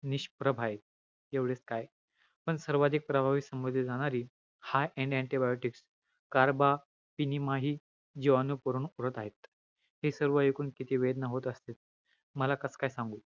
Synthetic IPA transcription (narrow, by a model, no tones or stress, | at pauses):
niɕpɾəbʱaje | eʋɽeskaj | pəɳsəɾʋad̪ʱik̚pɾəbʱaʋiːsəmbəd̪ʱid͡zaɽ̃aɾiː | hajɛ̃ɳɖɛ̃ɳʈibajoʈiks | kaɾba | pinimaɦiː | d͡ʑiʋanupəɾuːnuɾət̪aɦet̪ | hisəɾʋəekuːnkit̪ʰiːʋed̪nəɦot̪əst̪et̪̚ | məlakəskajsãŋɡuː